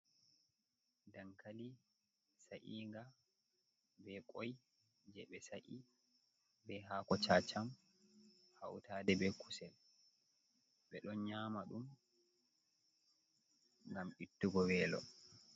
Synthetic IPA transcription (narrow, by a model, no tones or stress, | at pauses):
daŋkʰali | saʔiːŋɡa | bɛkʼɔj | d͡ʒɛɓɛsaʔi | bɛɦaːkɔt͡ʃaːt͡ʃam | ha̰wtaːdɛbɛkusɛl | ɓɛɗɔnɲaːmaɗum | ŋɡamitːuɡɔwɛːlɔ̰